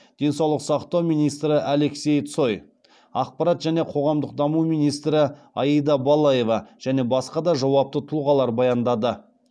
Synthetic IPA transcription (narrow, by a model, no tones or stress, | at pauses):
d̪̥e̞nsɑwlˠəqsɑqt̪ɑwmijnijst̪ɾɪʔæle̞kse̞jt̪so̞j | ɑq̚pɑɾɑt̪ʒæne̞qʰo̞ʁɑmd̪əq̚d̪ɑmumijnijst̪ɾɪ | ɑjəd̪ɑbɑlˠɑje̞vɑʒ̥æne̞bɑsqɑd̪ɑʒɑwɑp̚t̪ət̪ʰuʁɑlˠɑɾbɑjɑnd̪ɑd̪ə